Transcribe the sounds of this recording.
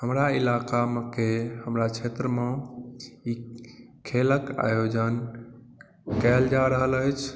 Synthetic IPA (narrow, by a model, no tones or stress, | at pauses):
ɦəmɾailakamekeɦəmɾat͡ʃʰet̪ɾəme | ikʰeləka̰jod͡ʒən | kɛld͡ʒaɾəɦələjt͡ʃʰ